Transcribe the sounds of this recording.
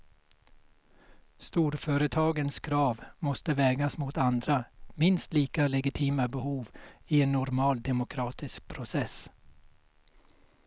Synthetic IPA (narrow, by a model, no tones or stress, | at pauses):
st̪uːɾfœːɾət̪ʰɑːɡənskʰɾɑːvmɔst̪əvɛːɡasmʊt̪and̪ɾamɪnst̪liːkalɛɡɪt̪ʰiːmabɛhuːvɪɛnːʊɾmɑːld̪ɛmʊkʰɾɑːt̪ɪsk̚pʰɾʊsɛs